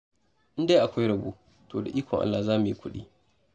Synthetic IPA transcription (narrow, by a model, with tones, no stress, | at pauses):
ʔɪ˦nda˦ʔa˨kʷa˦jɽɐ˨buː˦ | toː˨da̰˨ʔiː˦kʷɔ˨ŋʔa̰˦lːa˨zaː˦mu˨ji˦kʷʊ˦ɗḭː˦